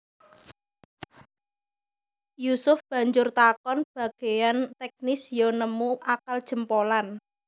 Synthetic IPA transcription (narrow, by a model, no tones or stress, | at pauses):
jusʊfb̥ä̤ɲd͡ʒʊrt̪akɔnb̥ä̤ɡ̥e̤jant̪ɛk̚nɪsjɔnəmuʔakald̥ʒ̥ə̤mpolan